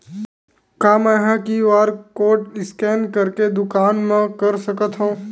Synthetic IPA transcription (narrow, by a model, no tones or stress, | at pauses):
kaːmɛ̃ːɦãkiʋaːɾkoːʈɪskɛːnkɐɾked̪ʊkaːnmẽkɐɾsɐkət̪ɦũː